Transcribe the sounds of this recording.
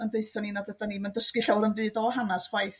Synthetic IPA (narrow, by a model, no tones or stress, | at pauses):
əndeɨθɔninadədaniməndəskɨɬawɾənbɨːdɔhanasw̥ajθ